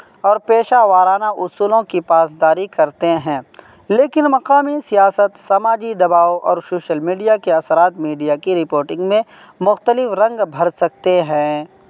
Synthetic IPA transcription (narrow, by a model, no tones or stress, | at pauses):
ɔːɾpeːʃaʋaːɾaːnaʔʊsuːlõkipaːs̬d̪aːɾikɐɾt̪eɦɛ̃ː | leːkɪnmɐqaːmisijaːsət̪sɐmaːd͡ʒid̪ɐbaːoʔɔ̰ːɾsoːʃəlmiːɖijakeɐsəɾaːt̪miːɖijakiɾɪpoːɾʈɪ̃ŋɡmẽ | mʊxt̪əlɪfɾɐ̃ŋɡbʱɐɾsɐk̚t̪eɦɛ̃